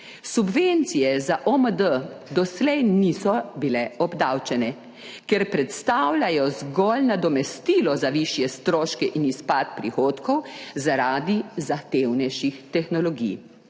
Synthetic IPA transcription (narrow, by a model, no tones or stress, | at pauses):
subʋent̪sijɛzaʔɔməd̪əd̪ɔslɛjnisɔbilɛɔbd̪awt͡ʃɛnɛ | kɛɾpɾɛt̪st̪awlʲajɔzɡɔlnad̪ɔmɛst̪iːlɔzaʋiʃjɛst̪ɾoːʃkɛʔinispat̪̚pɾixoːt̪kɔwzaɾaːd̪izaxt̪ewnɛjʃixt̪ɛxnɔlɔɡḭj